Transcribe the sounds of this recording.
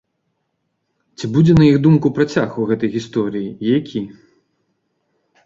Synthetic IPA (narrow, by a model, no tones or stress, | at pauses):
t͡sʲibud͡zʲɛnɐjiɣd̪umkupɾat͡sʲaxɐwɣɛt̪ɐjɣʲist̪ɔɾɨjiijakʲi